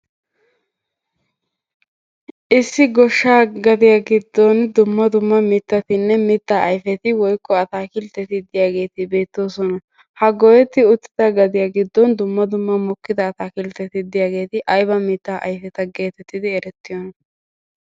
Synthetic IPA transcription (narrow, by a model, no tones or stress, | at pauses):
ʔɪsːɪɡɔʃːaːɡɐd̪ɪjaːɡɪd̪ːɔnd̪ʊmːɐd̪ʊmːɐmɪt̪ːɐt̪ɪnːɛmɪt̪ːaːʔɐjfɛt̪ɪwɔjkːɔɐt̪aːkɪlt̪ːɛt̪ɪd̪ɪjaːɡe̞ːt̪ɪbe̞ːt̪ːoːsɔnɐ | hɐɡɔjɛt̪ːɪʊt̪ːɪ̥t̪ɐɡɐd̪ɪjaːɡɪd̪ːɔnd̪ʊmːɐd̪ʊmːɐmɔkːɪd̪ɐːt̪aːkɪlt̪ːɛt̪ɪd̪ɪjaːɡe̞ːt̪ɪʔɐjbɐmɪt̪ːaːʔɐ̰jfɛt̪ɐɡe̞ːt̪ɛt̪ːɪd̪ɪɛɾɛt̪ːɪjɔnɐ